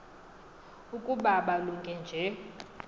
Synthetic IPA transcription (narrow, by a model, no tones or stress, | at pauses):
ukʼuɓaɓaluŋkʼɛnd͡ʒʱɛ